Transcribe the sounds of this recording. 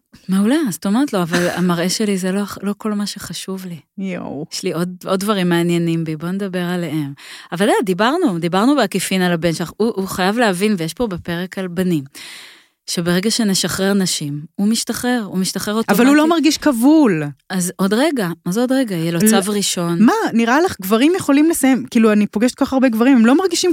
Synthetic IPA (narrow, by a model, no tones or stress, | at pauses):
maulast̪o̞me̞ʁet̪lo̞avala̰maʁe̞ʃe̞lizelolo̞ko̞lmaʃeχaʃuvlijeʃlio̞d̚o̞d̚ːvaʁimːeanje̞nimbibo̞ned̪abe̞ʁaleemavaldedibaʁnud̪ibaʁnubeakifinalabenʃlaχuʔːχajavleavinvejeʃpo̞bepe̞ʁekalbanim | ʃebe̞ʁeɡaʃe̞ne̞ʃaχʁeʁnaʃimumiʃtaχeʁumiʃtaχeʁotʔavalulo̞maʁɡiʃkavulazo̞d̪ʁeɡaozodʁeɡajjelot͡savʁiʃo̞nmaniʁʔalaχɡvaʁimjeχo̞limlesajemkiːluanipoɡeʃetkoaχaʁbeɡvaʁimemlomaʁɡiʃim